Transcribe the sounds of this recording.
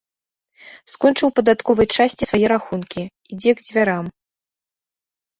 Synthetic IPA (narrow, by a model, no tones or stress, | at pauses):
skɔnt͡ʂɨwpɐd̪at̪kɔvɐjt͡ʂasʲt͡sʲisvajɛɾaxunkʲi | id͡zʲɛɡd͡zʲvʲaɾam